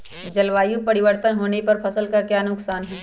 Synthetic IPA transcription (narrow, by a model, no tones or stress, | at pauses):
d͡ʒɐlʋaːjũpɐɾɪʋəɾt̪ənɦoːnepɐɾpʰɐsəlkakjaːnʊksaːnɦɛː